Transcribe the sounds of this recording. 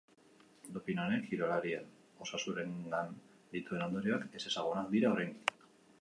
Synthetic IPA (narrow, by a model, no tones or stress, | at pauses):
d̪opinoɾe̞ŋxiɾo̞laɾian | o̞sasuɾe̞ŋɡan | d̪it̪ue̞no̞nd̪o̞ɾio̞ake̞se̞saɣ̞unakd̪iɾao̞ɾrejŋɡi